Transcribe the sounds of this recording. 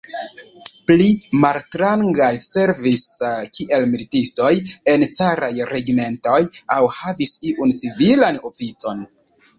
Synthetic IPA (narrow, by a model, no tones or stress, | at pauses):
plimaltɾaŋɡajse̞ɾviskiʔe̞lmilitisto̞je̞nt͡saɾajɾeɡime̞nto̞jawhavisiʔunt͡sivilano̞fit͡so̞n